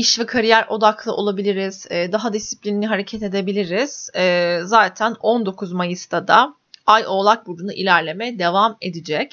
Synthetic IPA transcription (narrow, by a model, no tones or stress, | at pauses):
iʃvikʰaɾijæɾʔo̞d̪aklˠɯʔo̞lˠabilʲiɾiz̥ɛːd̪aɦad̪isːi̥plʲininiɦaɾe̞cʰɛt̪e̞d̪e̞bilʲiɾiz̥ɛːzaːt̪ʰæno̞nd̪o̞kʰuzmajɯst̪ʰad̪a | ajo̞ːlˠak̚buɾunuʔḭlʲæɾlʲe̞mɛd̪e̞vame̞d̪id͡ʒɛc